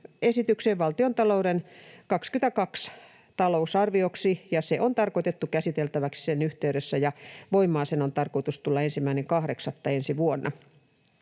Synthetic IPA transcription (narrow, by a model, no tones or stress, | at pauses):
esit̪ykseːʋʋɑlt̪iont̪ɑlouɾenkɑkskyt̪ækɑks | t̪ɑlousɑrʋioksijɑseʔont̪ɑrkoit̪et̪ːukæsit̪elt̪æʋæksi̥senyht̪eyɾesːæjɑʋoimːɑːsenont̪ɑrkoit̪ust̪ulːɑensimːæineŋkɑhɾeksɑt̪ːɑensiʋuonːɑ̰